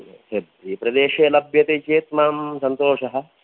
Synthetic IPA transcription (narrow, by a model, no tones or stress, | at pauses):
hebɾiːpɾɐd̪eːʃeːlɐbjɐt̪eːt͡ʃeːt̪maːmsɐnt̪oːʃɐɦɐ̆